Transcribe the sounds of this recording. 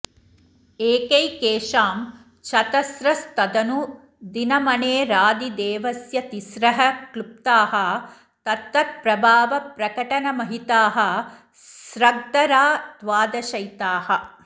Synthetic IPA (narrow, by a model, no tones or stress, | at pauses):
eːkɐjkeːʂaːm | t͡ʃʰɐt̪ɐsɾɐst̪ɐd̪ɐnu | d̪inɐmɐneːɾaːd̪id̪eːʋɐsjɐt̪isɾɐɦɐklup̚t̪aːɦɐ̆ | t̪ɐt̪ːɐt̪̚pɾɐbʱaːʋɐpɾɐkɐʈɐnɐmɐɦit̪aːɦɐ̆ | sɾɐɡ̚d̪ɐɾaːd̪ʋaːd̪ɐʃɐjt̪aːhɐ